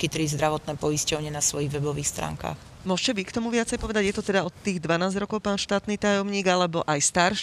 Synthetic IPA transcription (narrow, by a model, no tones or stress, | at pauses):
kit̪ɾizd̪ɾaʋɔt̪nɛːpɔjiscɔʊɲɪɛnasʋɔjiɣʋɛbɔʋiːxst̪ɾa̰ːŋka̰ːx | mʊɔʃcɛʋikt̪ɔmuʋɪat͡sɛjpɔʋɛd̪aɟjɛt̪ɔt̪ɛd̪aɔt̪ːiːɣd̪ʋanaːzɟɾɔkɔʊpaːnʃt̪aːt̪nit̪ajɔmɲiːɡalɛbɔʔajst̪aːɾʃ